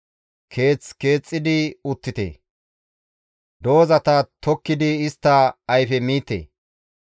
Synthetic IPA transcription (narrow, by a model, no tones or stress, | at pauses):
kʰe̞ːt͡ske̞ːt͡sʼːɪd̪ɪʊt̪ːɪt̪ḛː | d̪o̞ːzɐt̪ɐt̪ʰɔkːɪd̪ɪɪst̪ːɐɐjfɛmiːt̪ːḛː